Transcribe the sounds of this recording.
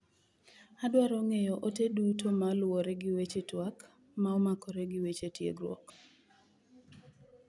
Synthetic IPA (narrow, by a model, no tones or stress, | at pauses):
adwaɾɔŋejɔʔotedutʰomalwoɾeɡɪwet͡ʃetwak | maɔmakɔɾeɡɪwet͡ʃetjḛɡɾwɔ̰k